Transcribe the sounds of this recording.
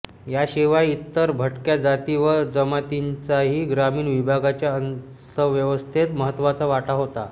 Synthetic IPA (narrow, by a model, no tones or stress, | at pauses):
jaɕiʋajit̪ːəɾbʱəʈkjad͡zat̪iʋəɾd͡zəmat̪int͡saɦiːɡɾamiːnʋibʱaɡat͡ɕjaən | t̪əʋjəʋəst̪ʰet̪məɦət̪ːʋat͡saʋaʈaɦot̪a̰